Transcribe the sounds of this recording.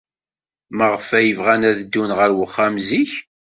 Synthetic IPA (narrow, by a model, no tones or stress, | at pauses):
məʁfæjəvʁænæðəd̪ːunʁəɾwəχːamziç